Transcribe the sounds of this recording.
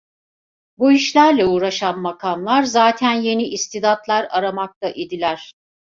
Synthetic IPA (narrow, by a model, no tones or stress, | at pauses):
buiʃlʲæɾlʲɛuːɾaʃanmakʰanlˠaɾzaːt̪ʰænje̞niʔist̪id̪at̪lˠaɾaɾamak̚t̪ʰaʔed̪ilʲæɾ̥